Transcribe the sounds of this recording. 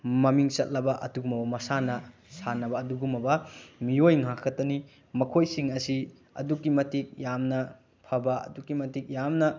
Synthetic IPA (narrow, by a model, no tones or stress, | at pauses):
mɐmiŋt͡ʃɐt̚lɐbɐʔɐtuɡumɐbɐmɐsanɐsanɐbɐːduɡumɐbɐmiojŋakʰːɐtɐni | mɐkʰojsiŋɐsi | ɐ̰dukːimɐtik̚jamnɐ | pʰɐbɐɐ̰dukːimɐtik̚jamnɐ